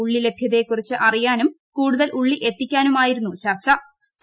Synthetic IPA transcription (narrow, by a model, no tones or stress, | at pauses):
uɭːile̞bʱjɐðe̞kːurit͡ɕːɨʔɐrijaːnum | kuːɽuðɐlʔuɭːiʔe̞t̪ːikʲːaːnumaːjiɾunːut͡ɕɐrt͡ɕːɐ | s